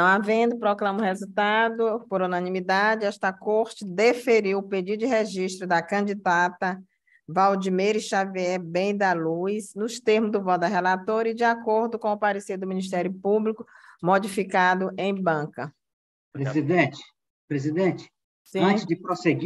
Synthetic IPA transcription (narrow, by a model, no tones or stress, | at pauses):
nɐ̃w̃avẽd̪ʊpɾɔklɐ̃mʊ̃hezut̪ad̪ʊpoɾunɐ̃nĩmid̪ad͡ʒɪɛʃt̪ɐkoɾt͡ʃɪd̪efeɾiwʊped͡ʒid̪ʊd͡ʒɪɦeʒiʃt̪ɾʊd̪ɐkɐ̃d͡ʒid̪at̪ɐ | vawd͡ʒimeɾɪsʃaviɛbẽj̃d̪ɐlujsnʊst̪eɾmʊzd̪ʊvɔd̪ɐɦɛlat̪oɾɐɪd͡ʒɪakoɾd̪ʊkõʊpaɾesid̪ʊmĩniʃ̬t̪ɛɾjʊpublikʊmod͡ʒifikad̪ʊʔẽj̃bɐ̃kɐ | pɾezid̪ẽt͡ʃɪ̥ | pɾezid̪ẽt͡ʃɪ̥ | sĩɐ̃t͡ʃɪd͡ʒɪpɾoseɡi